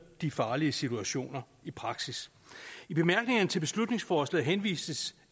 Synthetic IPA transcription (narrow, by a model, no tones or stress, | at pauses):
d̥ifɑ̈ːliəsit͡sʰuæɕo̝̰ːnɐ | ipʰʁɑ̈ɡ̥sis | ib̥e̝mæɐɡ̥ne̝ŋɐnət͡sʰe̝lb̥e̝slud̥ne̝ŋsfɒːslɛ̰ːɦenʋḭːsəs